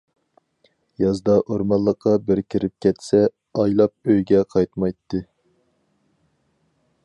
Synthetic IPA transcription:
jɑzd̪ɑʔoɾmɑlˠːəqʰːɑbɪɾkʲʰiɾɪp̚kʲʰɛt̪sɛ | ɑjlˠɑp̚øjɡʲɛqʰɑjt̪mɑjt̪ʰːɨ

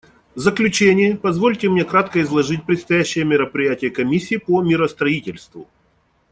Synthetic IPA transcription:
vzəklʲʉt͡ɕenʲɪjəpɐzvolʲtʲɪmnʲe̞kɾat̪kəɪzlˠɐʐɨt̚ʲpɾʲɪt̪st̪ɐjæɕːɪjəmʲɪɾəpɾʲɪjætʲɪjəkɐmʲisʲːiːpomʲɪɾəst̪ɾɐitʲɪlʲst̪vʊ̰

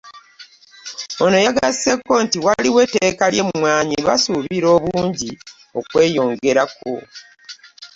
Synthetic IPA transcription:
ono̞jaɡase̞kːo̞ntiwaliwetekalje̞mwaːɲiβasuβiɾo̞ːβuːɲɟi | o̞kwe̞ːjo̞ːŋɡe̞ɾako̞̰

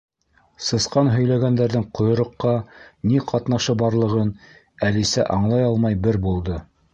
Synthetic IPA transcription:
sɤ̆sqɑnɦɵ̆jlæɡænd̪æɾðɘŋqŏjŏɾŏqːɑniqʰɑt̪nɑʃɤbɑɾlˠɤ̆ʁɤn | ælisæ̰ʔɑɴlˠɑjɑlˠmɑjbɘɾbulˠd̪ɤ

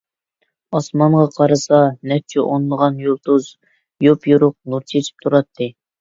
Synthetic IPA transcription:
ɑsmɑɴʁɑqʰɑɾɨsɑnɛp̚t͡ʃʰɛʔonlˠəʁɑnjolˠt̪uz | jopjuɾʊq̚nuɾt͡ʃʰet͡ʃʰi̥p̚t̪ʰuɾɑt̪ʰːɨ

